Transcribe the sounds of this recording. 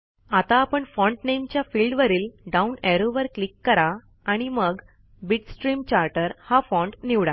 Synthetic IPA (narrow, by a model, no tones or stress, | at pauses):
at̪aːpəɳfɔɳʈnemt͡ɕjafilɖʋəɾiːlɖaunɛɾoʋəɾklikːəɾa | aɽ̃iməɡ | biʈsʈɾiːmt͡ɕaɾʈəɾhafɔ̃ɳʈniʋɽa